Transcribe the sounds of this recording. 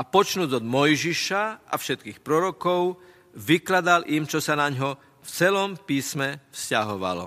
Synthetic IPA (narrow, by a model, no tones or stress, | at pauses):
apɔt͡ʃnuːɟɔd̪mɔjʒiʃaʔafʃɛt̪̚kiːxpɾɔɾɔkɔʊ | ʋiklad̪alʔimt͡ʃɔsanaɲɦɔ | ft͡sɛlɔmpiːsmɛfscaɦɔʋa̰lɔ̰